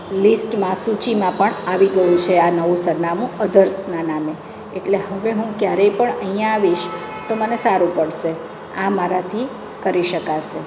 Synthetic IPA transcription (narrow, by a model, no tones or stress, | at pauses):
lisʈmãsut͡ʃimãpəɳaʋiɡəjũt͡ʃʰeanəʋũsəɾnamũəd̪ʱəɾsnaname | eʈleɦəʋeɦũkjaɾəipəɳəɦijãːʋiʃ | t̪omənesaɾũpəɽʃe | amaɾat̪ʰi | kəɾiʃəkaʃe